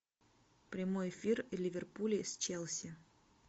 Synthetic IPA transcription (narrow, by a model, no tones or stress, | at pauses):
pɾʲɪmojɪfʲirlʲɪvʲɪrpulʲɪsʲt͡ɕelˠsʲɪ